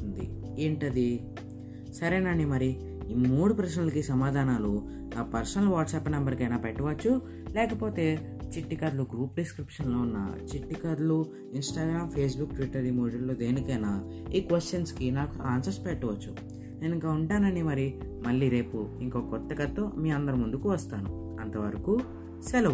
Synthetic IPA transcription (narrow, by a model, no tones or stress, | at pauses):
und̪ḭeːɳʈɐd̪i | sɐɾeːnɐnimɐɾi | muːɽupɾɐsnɐlɐkisɐmaːd̪ʱaːnaːlu | naːpɐɾsɐnɐlʋaːʈsaːpnɐmbɐɾkɐjnaːpeʈːɐʋɐt͡ʃːu | lɛːkɐpo̞ːt̪e̞ː | t͡ʃiʈːikad̪luɡɾuːpɾiskɾipʂɐnlo̞ːunːa̰ːt͡ʃiʈːikɐɾulu | insʈaːɡɾaːmpʰe̞ːs̬bukʈʋiʈːɐɾiːmoːɽɐɾloːd̪e̞ːnikɐjnaː | iːkʋesʈːɐnskinaːkuaːnsɐsʈpeʈːɐʋɐt͡ʃːu | ne̞ːniŋkaːuɳʈaːnɐnimɐɾi | mɐlːiːɾe̞ːpuiŋkoːkɔt̪ːɐkɐt̪ːomiːɐnd̪ɐɾumund̪ukuʋɐst̪aːnṵ | ɐnt̪ɐʋɐɾɐku | sɛlɐ